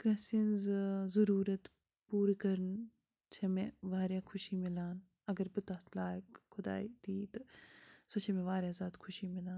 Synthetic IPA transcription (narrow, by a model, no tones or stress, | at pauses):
kɐ̃sinzzɐɾuːɾɐt̪ | puːɾkɐɾən | t͡ʃʰemẽʋaːɾjaːkʰʊʃimɪlaːn | ɐɡɐɾbɨt̪aːt̪laːkkʰʊd̪a̰ːit̪iːt̪ɐsot͡ʃʰemẽʋaːɾjazaːt̪kʰʊʃimɪlaːn